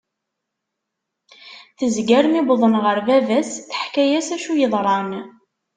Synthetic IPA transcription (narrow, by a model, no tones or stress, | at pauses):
θəzɡæɾmibðˤənʁəɾvævæsθə̥ħkæjæsæʃujəðˤɾˤɑn